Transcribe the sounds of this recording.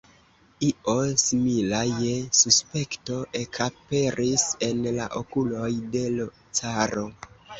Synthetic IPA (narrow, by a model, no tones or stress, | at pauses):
io̞similajesuspe̞kto̞ʔe̞kʰape̞ɾʔise̞nla̰ʔokulo̞jde̞lo | t͡saɾo̞